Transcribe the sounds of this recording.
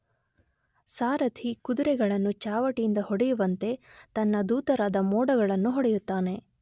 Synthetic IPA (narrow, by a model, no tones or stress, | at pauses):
saːɾɐt̪ʰikud̪uɾɛɡɐɭɐnːut͡ʃaːʋɐʈijind̪ɐɦɔɽɛjuʋɐnt̪e̞t̪ɐnːɐd̪uːt̪ɐɾaːd̪ɐmɔːɽɐɡɐɭɐnːuɦɔɽɛjut̪ːaːne̞